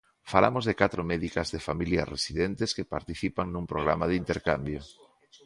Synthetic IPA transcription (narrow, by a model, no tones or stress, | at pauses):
fala̰mozðekat̪ɾomɛðikazðefamilja̰rḛsiðent̪eskepa̰ɾt̪iθipaŋnumpɾoɣ̞ɾamaðint̪eɾkambjo